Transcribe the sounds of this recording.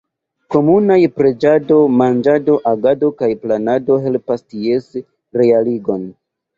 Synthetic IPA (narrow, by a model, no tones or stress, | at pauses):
ko̞munajpɾe̞d͡ʒado̞mand͡ʒado̞ʔaɡado̞kajplanado̞ɦe̞lpasties | ɾealiɡo̞n